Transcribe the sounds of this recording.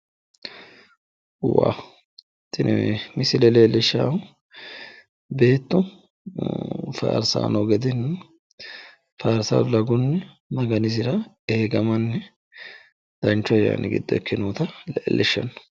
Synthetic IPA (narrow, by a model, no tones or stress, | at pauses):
wa̰ | t̪ːɪnmɪsɪlɛleːlɛʃːa̰ː | be̞ːt̪ːʊ | fa̰ːɾsa̰ːnɔɡɛd̪ɪn | faːɾsɐ̰lɐɡʊnːɛ | nɐɡɐnɪzɪɾɐ | eːɡɐmɐnːɛ | d̪ɐnt͡ʃːɔja̰ːnʔɪɡɪ̰d̪ːɔ̰kːɪnuːt̪ɐleːlʔɛʃːɐ̰n